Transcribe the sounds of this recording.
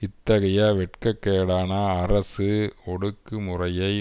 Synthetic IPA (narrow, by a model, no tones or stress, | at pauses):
ɪt̪ːɐɣɐjaːʋɛʈkɐkːeːɽaːnaːrɐsɯɔɽɯkːɯmʊrɐjɐɪ